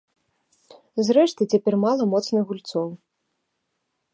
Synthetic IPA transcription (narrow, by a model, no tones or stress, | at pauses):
zɾɛʂt̪ɨt͡sʲapʲɛrmalˠɐmɔt̪snɨɣɣulʲt̪sɔw